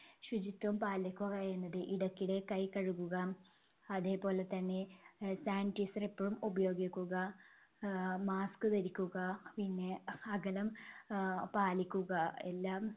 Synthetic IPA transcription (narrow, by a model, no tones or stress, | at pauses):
ɕud͡ʑit̪ʋɐmpaːlɐkʲːuɣɐenːɐðɨʔiɽɐkʲːiɽe̞kɐjkɐɻukːuɣɐː | ðe̞ːpo̞ːle̞t̪ɐnːe̞saːnʈisɐrepːɐɻumubɐjo̞ːɡikʲːuɣɐ | maːskɨt̪ɐɾikʲːuɣɐpinːeɐɡɐlɐm | paːlikʲːuɣɐelːaːm